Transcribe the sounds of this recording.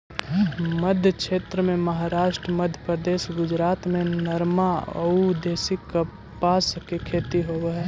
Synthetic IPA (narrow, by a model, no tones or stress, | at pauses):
məd̪ʱjəkʃeːt̪ɾəmẽməɦaɾaːʃʈɾəməd̪ʱjəpɾəd̪eːsɡʊd͡ʒɾaːt̪mẽnəɾmaə̰ud̪eːsɪk | paːskekʰeːt̪iɦobeɦɛː